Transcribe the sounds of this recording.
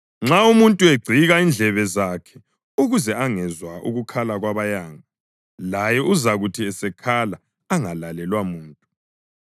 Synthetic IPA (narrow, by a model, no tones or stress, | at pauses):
ŋ͡ǁaumuntʼueɡ͡ǀʱiɣaind͡ɮʱɛβɛzakʰɛ̥ | uɣuzɛaŋɛzwaʔṵɣukʰalaɣwaβajaːŋa | lajɛuzaɣutʰiɛsɛkʰalaː | ŋalalɛlwamuːntʼu